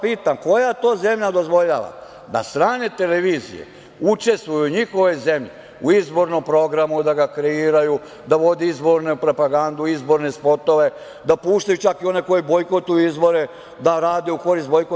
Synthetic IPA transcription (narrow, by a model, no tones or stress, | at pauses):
piːt̪amko̞jat̪o̞ːze̞mʎad̪o̞zʋo̞ʎaʋa̰ | d̪a̰st̪ɾaːne̞t̪e̞leʋiːzḭjḛ | ut͡ʃe̞st̪ʋujuɲixo̞ʋe̞ze̞mʎe | uizbo̞ɾnompɾo̞ɡɾamud̪aɡakɾeiːɾaju | d̪aʋo̞d̪iizbo̞ɾnepɾo̞paɡand̪uizbo̞ɾne̞spo̞t̪o̞ʋe̞ | d̪apuːʃt̪ajut͡ʃakio̞ne̞ko̞jibojkot̪ujuizbo̞ɾe | d̪aɾaːd̪euko̞ɾist̪bojko